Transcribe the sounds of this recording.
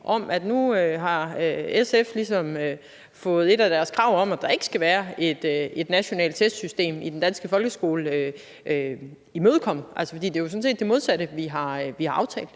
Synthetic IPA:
ʔɒ̽mʔæd̥nuøɦɑ̈øeseflisɒ̽mø | fɔ̽ːð̞̩ˠe̝ɾæd̥æɐskʰʁɑ̈ʊ̰ɒ̽m̰ædd̥ɑ̈e̝ɡ̥ə̥sɡ̥æʋæːɐe̝d̥øe̝d̥næɕo̝nɛ̰ːld̥̚t͡sʰesd̥sysd̥e̝̰ːmid̥end̥ænsɡ̥əfɒ̽lɡ̥əsɡ̥o̝ːləø | ø | imøːð̞ˠkʰɒ̽m̰̩ʔælsəfɒ̽dḭːd̥e̝jo̝sɔ̽n̩se̝̰ːd̥e̝mo̝ð̞ˠsæɾəʋiɦɑ̈ʋihɑ̈ɑ̈ʊt͡sʰɛ̰ːld̥̩ˠ

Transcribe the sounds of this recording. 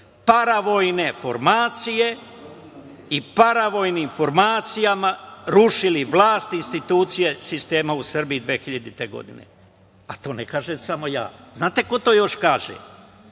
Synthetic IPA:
paɾaʋo̞jne̞fo̞ɾmaːt̪sije̞ | ipaɾaʋo̞ːjniːmfo̞ɾmaːt̪sijamaɾuʃiliʋlˠaːst̪inst̪it̪uːt̪sije̞sist̪e̞ːmausr̩bijid̪ʋeːxiʎad̪it̪eɡo̞̰d̪ine̞̰ | at̪o̞ːnekaːʒemsamo̞ja̰ːznaːt̪eko̞t̪o̞ːjo̞ʃkaːʒḛm

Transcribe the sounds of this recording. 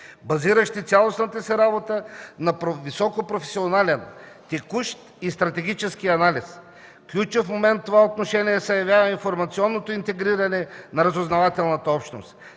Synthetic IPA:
bɐziɾɐʃt̪it̪sʲalˠosnət̪əsiɾabot̪ənɐpɾovisɔkopɾofɛsionalɛn | t̪ɛkuʃt̪ | ist̪ɾɐt̪ɛɡ̟it͡ʃɛskiɐnalʲis | klʲut͡ʃofmomɛnt̪ːovaot̪noʃɛniɛsɐjɐvʲjavəĩnfoɾmɐt̪siɔnːot̪oint̪ɛɡɾiɾɐnɛnɐɾɐzoznɐvat̪ɛlˠnɐt̪əɔpʃt̪no̰st̪

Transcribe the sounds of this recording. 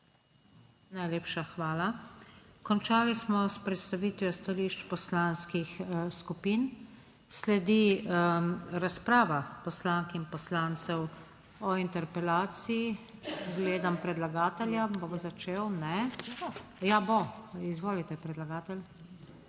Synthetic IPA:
najleːpʃaxʋaːla | kɔnt͡ʃaːlismɔspɾɛt̪st̪aʋit̪ʋjɔst̪aliːʃt͡ʃpɔslanskixskupin | slɛd̪i | ɾaspɾaːʋapɔslaŋkinpɔslaːnt̪sɛw | ɔint̪ɛɾpɛlaːt̪siiɡleːd̪ampɾɛd̪laɡaːt̪ɛljaboʋzat͡ʃeːwnɛbojaboizʋoːlit̪ɛpɾɛd̪laɡaːt̪ɛl

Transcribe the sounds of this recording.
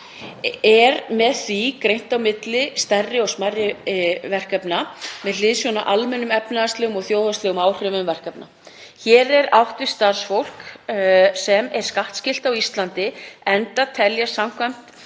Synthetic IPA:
ɛɾmɛðθikɾejn̥t̪awmɪt̪lɪst̪ɛrːɪɔsmarɪvɛr̥kapnamɛðlɪðsjɔnaʔalmɛnːʏmɛpnaast̪lɛːɣʏmɔɣθjoːwðast̪lɛːɣʏmaːwr̥ʏvʏmvɛr̥kɛpna̰ | çɛːɾɛɾawht̪ʏ̥st̪aɾ̥sfowl̥k | sɛmɛɾ̥skaht̪scɪl̥t̪awist̪lant̪ɪɛnt̪at̪ʰɛljasam̥kʰvajm̥t̪

